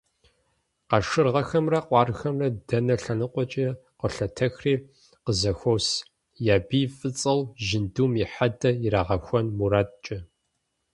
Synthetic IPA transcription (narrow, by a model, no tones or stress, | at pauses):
qɑʂɨrʁɐxɐmrɐqʷʼɑːrxɐmrɐdɐnɐɬɐnɨqʷɔt͡ʃʼi | qəɬɐtʰɐxriː | qəzɐxʷows | jaːbiːfʼɨt͡sʼɐwʒɪnduːmiħadɐjɪraːʁɐxʷɔnmuɾaːt̚t͡ʃʼɐ